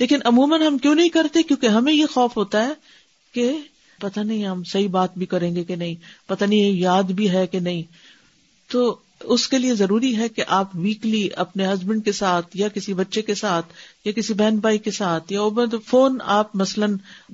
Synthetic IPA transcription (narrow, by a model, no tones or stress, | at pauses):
leːkɪnʔɐmuːmənɦɐmkjõːnɐɦĩkɐɾt̪ẽkjõːkeɦɐmẽjexɔːfɦoːt̪aɦɛː | ke | pɐt̪anɐɦĩɦɐmsɐɦibaːt̪̚bʱikɐɾẽːŋɡekenɐɦĩpɐt̪anĩjaːd̪bʱiɦɛkenɐɦĩ | t̪oː | ʊskeliezɐɾuːɾiɦɛkeʔaːpʋiːkliɐpneɦɐzbə̃ɳɖ̚kesaːt̪ʰjakɪsibɐtːʃekesaːt̪ʰjakɪsibɛːnbaːikesaːt̪ʰjaoːb̪foːna̰ːpmɐslən